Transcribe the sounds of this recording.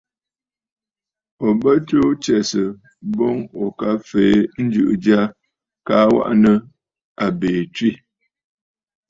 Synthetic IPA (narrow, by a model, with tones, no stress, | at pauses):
ɔ˨bə˦to˦t͡ʃɛ˨sə˨ | bɔ˦ŋɔ˨ka˦fe˨˦n̩˦d͡ʒʉ̰˦˨ʔd͡ʒa˦ | ka˦wa̰˦ʔnə˦ | a˨beː˨twi˦˨